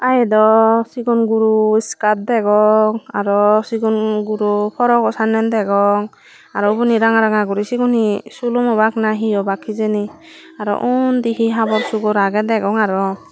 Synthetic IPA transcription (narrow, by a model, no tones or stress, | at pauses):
ajɛd̪ɔsiɡɔnɡuɾuiskat̪̚d̪ɛɡɔŋaɾɔsiɡɔnɡuɾupʰɔɾɔɡɔsanɛnd̪ɛɡɔŋ | aɾɔbɔniɾaŋaɾaŋaɡuɾisiɡɔnisulumɔbaknaɦijɔbakʰːizeni | aɾɔ̰ʔund̪iɦiɦabɔɾsuɡɔɾaɡɛd̪ɛɡɔŋaɾɔ